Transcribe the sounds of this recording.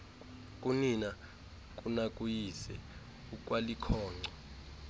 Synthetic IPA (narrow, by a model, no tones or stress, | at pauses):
kʼunina | k̬ʼunakʼujisɛ | uk̬ʼwalikʰɔːŋ͡ǀʱɔ